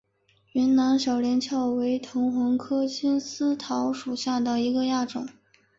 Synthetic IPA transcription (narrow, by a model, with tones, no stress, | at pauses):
y˧˥nna˧˥nɕjɑ˨˩ʊljɛ˧˥nt͡ɕʰjɑ˥˩ʊwe˧˥ɪt̪ʰʊ˧˥ŋxwɑ˧˥ŋkʰɤ˥t͡ɕʰi˥nsɹ̩˥t̪ʰɑ˧˥ʊʂu˨˩ɕja˥˩d̪ə˩i˧˥ɡə˧ja˥˩ʈ͡ʂʊ̰˨˩˦ŋ